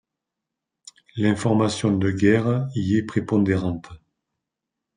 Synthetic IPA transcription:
lɛ̃fɔʁmasjɔ̃d̪əɡɛʁiɛpχepɔ̃d̪eʁɑ̃t̪

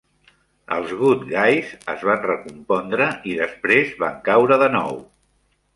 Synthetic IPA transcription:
ə̰lˠzɣut̪ɡajzəzβanrəkumpɔnd̪ɾəʔiðəspɾezβa̰ŋkawɾəðənɔ̰w

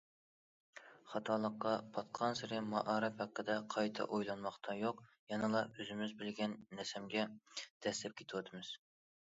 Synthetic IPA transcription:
χɑt̪ʰɑːlˠəqːɑpʰɑt̪̚qʰɑnsɪɾɪmɑʔɑːɾɨphæqːəd̪ɛqʰɑjt̪ʰɑ̰ʔojlˠɑnmɑχt̪ʰɑjoqjɑnɨlˠɑøzɪmɪzbɪlɡʲɛnːɛsɛmɡʲɛd̪̥ɛslɛp̚kʲʰe̥t̪ʰɪwɑt̪ʰɨmɨz̥

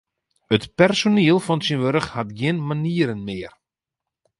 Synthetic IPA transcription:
ətpɛrsoniəlˠfɔnsinʋøɾəxhatɡjɪnmaniəɾənmɪːər

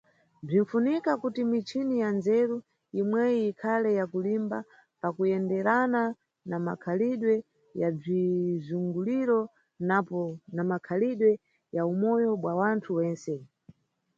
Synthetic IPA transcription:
b͡ʐin̩funikakutimit͡ʃʰinijanzɛɾu | imwɛiikʰalɛjakulimba | pakujɛndɛɾana | nama̰kʰaliɗwɛ | jab͡ʐizuŋɡuliɾɔ | napɔnamakʰaliɗwɛ | jaumɔjɔɓwawantʰuwɛːnsɛ

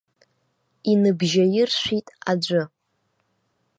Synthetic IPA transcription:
inɨbʒajɪrʃʷᶣitʼad͡ʒʷʊ

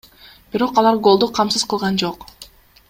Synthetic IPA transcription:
b̥iɾo̞qɑlˠɑɾɡo̞lˠd̪uqʰɑmsɯzqʰəlˠʁɑnd͡ʒo̞q

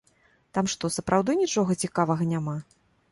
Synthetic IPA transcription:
t̪amʂt̪ɔsɐpɾʔawd̪ɨnʲit͡ʂɔɣɐt͡sʲikavɐɣɐnʲama

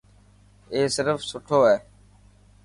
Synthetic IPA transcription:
eːsɪɾəfsʊʈʰoːeː

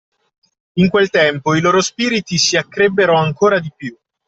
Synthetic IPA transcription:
iŋkwelt̪ɛmpoiloːɾospiːɾit̪isiakːɾebːeɾoaŋkoːɾad̪ipju

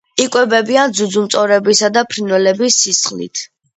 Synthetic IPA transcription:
ikʼwɛbɛbiand̪zud̪zumt̪sʼɔɾɛbisad̪apʰɾinwɛlɛbisːisχlḭt̪ʰ

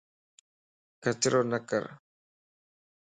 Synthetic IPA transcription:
kat̪ɪɾonaka̰ɾ

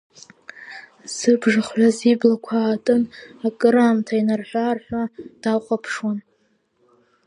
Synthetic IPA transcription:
z̥ɨbʐaχʕʷaziblakʷʰaːtʼɨnakʼɨɾaːmtʰainarħʷᶣarħʷᶣad̥aχʷʼapʰʂwan

